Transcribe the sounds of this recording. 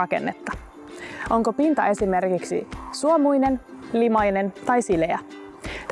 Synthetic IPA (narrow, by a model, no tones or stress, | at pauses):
ɑke̞̰nːe̞t̪ːɑ̥ | ʔo̞ŋko̞pint̪ɑe̞sime̞rkiksḭsuomujne̞nlimɑjne̞nt̪ɑjsileæ | t̪